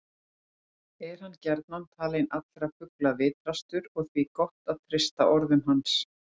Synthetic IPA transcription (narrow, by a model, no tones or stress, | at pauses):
ɛɾ̥hanːcɛɾt̪nant̪ʰaːlɛnat̪lɛɾafʏklavɪːt̪ɾast̪ʏɾɔɣθvikɔht̪aðθʰɾɪst̪a̰ʔɔɾðʏmɦans